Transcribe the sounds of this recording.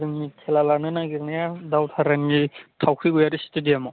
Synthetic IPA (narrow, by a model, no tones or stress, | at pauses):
dɯŋmitʰelalanɯnaɡiɾnajadawtʰaɾanɡitʰawkʰɾiɡujaɾistɯdiamɔ